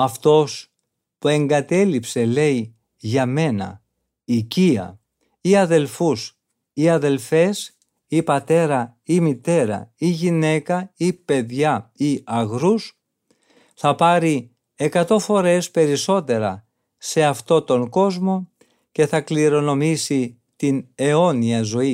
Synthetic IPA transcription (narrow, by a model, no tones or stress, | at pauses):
ɐft̪o̞s | pue̞ŋɡɐt̪e̞lipse̞le̞i | ʝɐme̞nɐ̰ | iciɐ̰ | iɐðe̞lfus | iɐðe̞lfe̞s | ipɐt̪e̞ɾɐimit̪e̞ɾɐ̰iʝine̞kɐipe̞ðʝɐiɐɣɾus | θɐpɐɾi | e̞kɐt̪o̞fo̞ɾe̞spe̞ɾiso̞t̪e̞ɾɐ | se̞ɐft̪o̞t̪o̞ŋɡo̞zmo̞ | ce̞θɐkliɾo̞no̞misi | t̪ine̞o̞niɐzo̞i